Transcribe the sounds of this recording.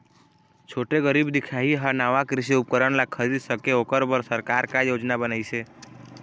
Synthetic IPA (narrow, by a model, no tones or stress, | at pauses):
t͡ʃʰoʈeɡəɾibd̪ikʰaɦiɦanaʋakɾɪʃiup̚kəɾəɳlakʰəɾisəkeokəɾbəɾsəɾkaɾkãjod͡ʒnabənajt͡ʃʰe